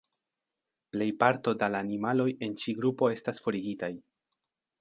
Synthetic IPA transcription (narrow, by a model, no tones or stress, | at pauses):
ple̞jpaɾto̞dalaːnimalo̞je̞nt͡ʃiɡɾupo̞e̞stasfo̞ɾiɡitaj